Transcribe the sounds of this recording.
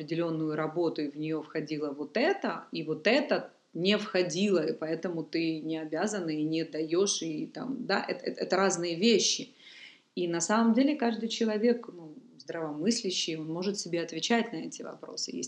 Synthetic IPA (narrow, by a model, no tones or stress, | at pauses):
ɐpɾʲɪdʲɪlʲo̞nːʊjʊɾɐbo̞t̪ʊivnʲɪjo̞fxɐdʲilˠəvo̞t̪ɛt̪əivo̞t̪ɛt̪ə | nʲɪfxɐdʲilˠəipɐɛt̪əmʊt̪ɨnʲɪɐbʲazənːɨinʲɪd̪ɐjo̞ʂit̪a̰md̪aʔɛ̰t̪ɛt̪ɛt̪əɾaznɨjəvʲeɕːɪ | inɐsaməmdʲelʲɪkaʐd̪ɨjt͡ɕɪlˠɐvʲe̞knuzd̪ɾəvɐmɨsʲlʲɪɕːɪjo̞nmo̞ʐɨt̪sʲɪbʲeɐt̪vʲɪt͡ɕætʲnɐɛtʲɪvɐ̰pɾo̞̰sɨ̰jḛsʲ